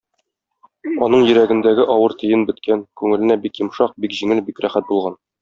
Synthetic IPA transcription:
ɒnɤɴjɵ̆ɾæɡɘ̆nd̪æɡɘʔɒwɤɾt̪ɘ̆jɘnbɘ̆t̪kʰænkʉŋɘ̆lɘ̆næbikjɤ̆mʃɑq̚bikʑiŋɘlbikɾæχæt̪̚bulˠʁɑn

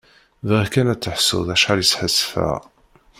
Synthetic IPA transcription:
vʁəkænæt͡sːəħsʊ̰ðæʃħaljəsħəsːfæ̰ʁ

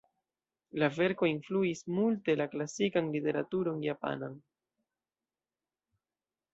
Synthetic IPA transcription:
lave̞ɾko̞influismulte̞laklasikanlite̞ɾatuɾo̞njapa̰nan

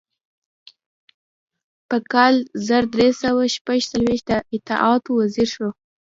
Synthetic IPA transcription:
pəkɑlzaɾd̪ɾesawaʃpaʒt͡salweʃt̪̚d̪əʔɪt̪ɪ̰ʔɑt̪owaziɾʃo

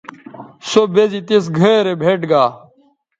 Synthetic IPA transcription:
sobezit̪esɡʱəɾebʱeːʈɡaː

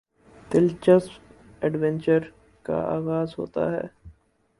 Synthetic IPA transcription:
t̪ɪlt͡ʃəs | ɛɖʋɛ̃nt͡ʃəɾ | ka̰a̰ːɣaːzɦo̰ːt̪a̰ɦɛ̰ː

